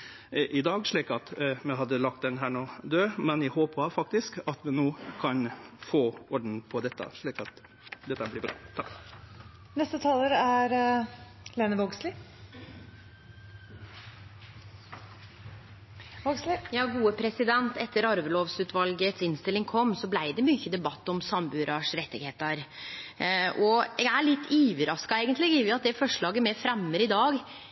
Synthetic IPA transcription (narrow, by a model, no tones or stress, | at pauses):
ʔɪd̪ɑːɡʂɭiːkɑt̪mɛɦɑd̪ːəlɑk̚t̪d̪ɛnɦæːɳoːd̪øːmɛnjæɪhoːpɑfɑk̚t̪ɪskɑt̪ʋɪnoːkʰɑnfoːɔɖn̩pʰɔd̪ɛt̪ːə̰ʂɭiːkɑt̪ | d̪ɛt̪ːəblɪbɾɑ̰ːt̪ʰɑk | nɛst̪ət̪ʰɑːləɾæɾ | leːnəʋoɡslɪ | oɡslɪjɑːɡuːəpʰɾɛsɪd̪ɛnt̪ɛt̪ːəɾɑɾʋəloːʋsʉːt̪ʋɑlɡət̪sɪnst̪ɪlɪŋkʰɔmːsɔblæɪd̪ɛmyːçəd̪ɛbɑt̪ːɔmsɑmbʉːɾɑʂɾɛt̪ːɪɡheːt̪ɑɾ | ʔɔɛɡæɭɪt̪ːyːʋəɾɑskɑeːɡənt̪lɪɡiʋɪɑt̪̚d̪ɛfɔʂɭɑːɡəmɛfɾɛmːəɾɪd̪ɑːɡ